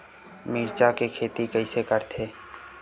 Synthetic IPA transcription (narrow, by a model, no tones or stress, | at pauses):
miːɾt͡ʃakekʰeːt̪ikəɪsekəɾt̪ʰeː